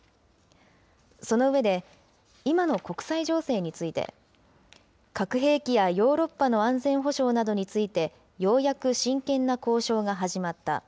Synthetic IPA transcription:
so̞no̞ɯ̟βe̞d̪e̞ | imano̞ko̞kɯ̟̥saiʑo̞ːse̞ːɲ̟it͡sɨit̪e̞̰ | kakɯ̟ɦe̞ːkʲijajo̞ːɾo̞pːano̞ãnd͡zẽ̞ɰ̃ɦo̞ɕo̞ːnad̪o̞ɲ̟it͡sɨit̪e̞ | jo̞ːjakɯ̟ɕĩŋkẽ̞nːako̞ːɕo̞ːɡaɦaʑimat̪ːa̰

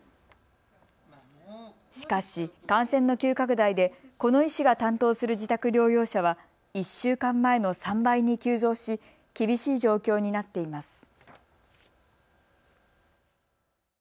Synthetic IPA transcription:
ɕi̥kaɕikãɰ̃sẽ̞nːo̞kʲɨːkak̬ɯ̟d̪aid̪e̞ko̞no̞iɕiɡat̪ãnt̪o̞ːsɨɾɯ̟d͡ʑit̪akɯ̟ɾʲo̞ːjo̞ːɕaβ̞a | iɕːɨːkãmːae̞no̞sãmbaiɲ̟ikʲɨːzo̞ːɕi | kʲibʲiɕiːʑo̞ːkʲo̞ːɲ̟inat̪ːe̞imasɨ̥

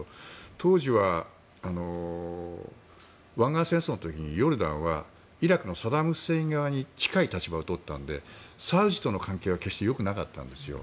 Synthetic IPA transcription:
t̪ʰo̞ːʑiβaː | no̞ | βãŋɡasẽ̞ɰ̃sonot̪o̞kʲiɲ̟ijo̞ɾɯ̟d̪ã̰ɰ̃βa | iɾakɯ̟no̞sad̪amɯ̟seĩŋɡaβaɲ̟it͡ɕi̥kait̪at͡ɕibaot̪ot̪ːã̰nd̪e̞̰saɯ̟ʑi̥t̪o̞no̞kãŋke̞ːβake̞ɕi̥t̪e̞jo̞kɯ̟naka̰t̪ːã̰nd̪e̞sɨjo̞̰

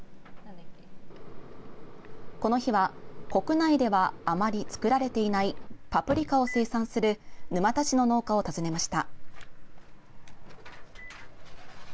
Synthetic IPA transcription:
ko̞no̞çiβako̞kɯ̟naid̪e̞βaːmaɾʲit͡sɨ̥kɯ̟ɾaɾe̞t̪e̞inaipapɯ̟ɾʲikao̞se̞ːsãɰ̃sɨɾɯ̟nɯ̟mat̪at͡ɕino̞no̞ːkao̞t̪azɨne̞maɕi̥t̪a

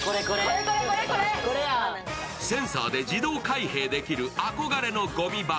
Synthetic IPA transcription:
ɾkɾe | sẽ̞ɰ̃sa̰ːd̪e̞d͡ʑid̪o̞ːkaiɦe̞ːd̪e̞kʲiɾɯ̟ʔako̞ɡaɾe̞no̞ɡo̞mʲiba

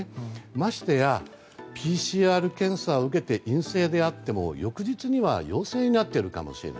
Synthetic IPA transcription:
maɕi̥t̪eja | pʲiːɕiːaːɾɯ̟kẽ̞ɰ̃sao̞ɯ̟ke̞t̪e̞ʔĩɰ̃se̞ːd̪e̞at̪ːe̞mo̞̰jo̞kɯ̟ʑit͡sɨɲ̟iβa̰jo̞ːse̞ːɲ̟inat̪ːe̞ɾɯ̟ka̰mo̞̰ɕiɾḛa

